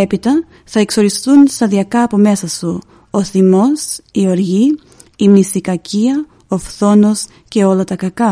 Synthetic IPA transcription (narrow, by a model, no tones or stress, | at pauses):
e̞pit̪ɐ | θɐe̞kso̞ɾist̪unst̪ɐðiɐkɐːpo̞me̞sɐsu | oθimo̞sio̞ɾʝiː | misikɐciɐ | ofθo̞no̞s | ce̞o̞lɐt̪ɐkɐkɐ